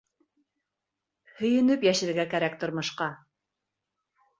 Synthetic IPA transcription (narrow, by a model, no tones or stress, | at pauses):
hɵ̆jɘ̆nɘpjæʃɘ̆ɾɡækæɾækt̪ŏɾmŏʃqɑ